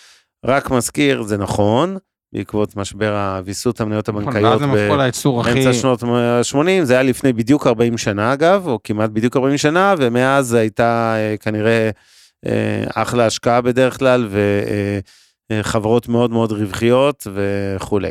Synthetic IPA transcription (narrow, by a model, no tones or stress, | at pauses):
ʁakmazkiʁzenaχo̞n | bḛikvo̞t̪maʃbe̞ʁavisuthamnajo̞thabaŋkajoolait͡suʁaemt͡saʃnotʃmo̞nimzeajalifne̞jbid̪jukaʁbaimʃanaːɡavokimat̚bid̪jukaʁbaimʃanave̞me̞azhajtaekaniʁe̞ | ḛa̰χlaaʃkaabe̞de̞ʁeχklalve̞ | χavaʁo̞tme̞o̞dmeo̞dʁivχijo̞tve̞χulej